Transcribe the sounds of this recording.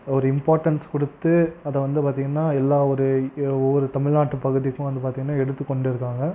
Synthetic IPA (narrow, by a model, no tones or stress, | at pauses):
ɔɾɯɪmpaːɾʈɐnskɔɽɯt̪ːɯɐðɛʋɐnd̪ɯpaːɾt̪iːŋɡɐnːaːɛlːaːɔɾɯɔʋːɔɾɯt̪ɐmɪɻnaːʈːɯpɐɣɯðɪkːʊ̃ʋɐnd̪ɯpaːɾt̪iːŋɡɐnːaːɛɽɯt̪ːɯkːɔɳɖɪɾɯkːaːŋɡɐ